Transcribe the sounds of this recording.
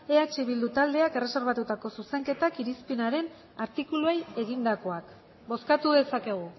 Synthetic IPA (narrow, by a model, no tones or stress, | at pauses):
e̞at͡ʃiβ̞ild̪ut̪ald̪e̞ake̞re̞se̞ɾβ̞at̪ut̪ako̞suse̞ŋke̞t̪akiɾispinaɾe̞n | aɾt̪ikulueje̞ɣind̪ako̞ak | bo̞skat̪uðe̞sake̞ɣ̞u